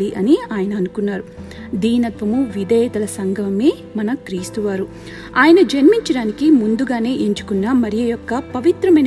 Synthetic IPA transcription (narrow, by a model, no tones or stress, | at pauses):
liʔɐniaːjɐnɐːnukunːaːɾu | d̪iːnɐt̪ʋɐmuʋid̪ʱɛːt̪ɐlɐsɐŋɡʱɐmeː | mɐnɐkɾiːst̪uʋaːɾu | aːjɐnɐd͡ʒɐnmiɲt͡ʃɐɽaːnikimund̪uɡaːne̞ːʔeɲt͡ʃu̥kunːamɐɾijɐjɔkːɐpɐʋit̪ɾɐmɐjn